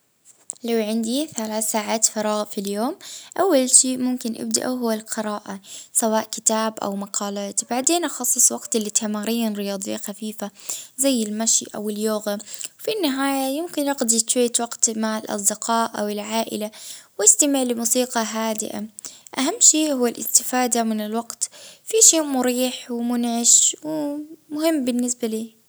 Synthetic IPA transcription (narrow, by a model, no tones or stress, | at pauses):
lawʕɪnd̪iθalaːθsaːʕaːt̪fɑɾˤɑːɣfiljoːmʔawːalʃiːʔmʊmkɪnʔɪ̰b̚d̪a̰ʔuɦʊːalqɨɾɑːʔasawaːʔkɪt̪aːbʔa̰wmɑqʰɑːlaːt̪baʕd̪eːnʔɑxɑsˤːɨsˤwɑɡt̪ɪlːit̪ʰːamaːɾijːanɾɪjɑːd̪ˤɪjːaxafiːfazajːɪlmaʃiʔa̰wɪljoːɣawfinːɪɦaːjajɪmkɪnʔɪqd̪it̪weːt̪wɑɡt̪maʕɪlʔɑ̰sˤd̪ɪqɑːʔʔawɪlʕaːʔɪ̰lawɪst̪amɪʕlɪmuːsiːqɑɦaːd̪ɪ̰ʔa̰ʔaɦamːʃiːhʊwːalʔɪ̰st̪ɪfaːd̪amɪnɪlwaɡt̪fiʃiːʔmʊɾiːħwɪmʊnʕɪʃwɪmʊɦɪmːbɪnːɪsbaliː